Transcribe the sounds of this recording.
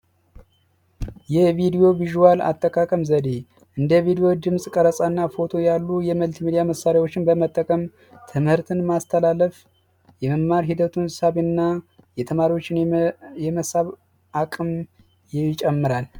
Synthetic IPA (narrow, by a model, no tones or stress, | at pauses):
jɛvid̪ijo̞viʒuwala̰t̪ʼːəkʼakʼəmzəd̪e | ʔɨnd̪əvid̪ijo̞d̪ɨmsʼkʼəɾəsʼanːafo̞t̪ʰo̞jalːujɛməlt̪mid̪ijaməsːaɾewo̞t͡ʃːɪnbəmət̪ʼːəkʼəm | t̪ʰɨmhɨɾt̪ʰɨnmast̪ʰəlaləf | jɛməmːaɾɦid̪ət̪ʰunsaβɨnːa | jɛt̪ʰəmaɾiwo̞t͡ʃːɪnjɛməsaβ | akʼɨm | jɪt͡ʃʼɛmːɨɾal